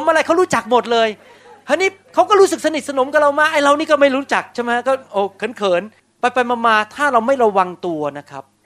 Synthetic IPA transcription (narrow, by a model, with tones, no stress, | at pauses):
pʰo˨˦mʔa˧ɾa˧jkʰa˦˥˩ɾuː˦˥t͡ɕa˨˩k̚mo˨˩t̪̚lɤː˧j | ʔa˧niː˦˥kʰa˦˥wkɔː˥˩ɾuː˦˥sɯ˨˩k̚sa˧ni˨˩t̪̚sa˧no˩˦mka˨˩ɾa˧wmaː˧˩k̚ʔa˧jɾa˧wniː˦˥kɔː˥˩ma˥˩jɾuː˦˥t͡ɕa˨˩k̚t͡ɕʰa˥˩ma˦˥a˦˥kɔː˥˩ʔoː˧˩kʰɤː˩˦nkʰɤː˩˦n | pa˧jpa˧jmaː˧maː˧t̪ʰaː˥˩ɾa˧wma˥˩jɾa˧wa˧ŋt̪u˧ɐna˦˥kʰɾa˦˥p̚